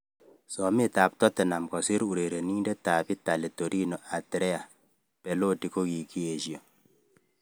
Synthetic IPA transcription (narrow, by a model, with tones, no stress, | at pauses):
sɔ˨mɪ˦ta˨p̚tɔ˦tɛ˨na˨mkɔ˨si˦ɾu˨ɾe˨ɾe˨ni˦nde˦ta˨pi˦ta˨le˨to˨ɾʔi˦nɔ˨ʔa˨tɾɛ˦a˨ | pɛ˨lo˦di˨ko˦ki˨ki˦e˨ʃi˨o˨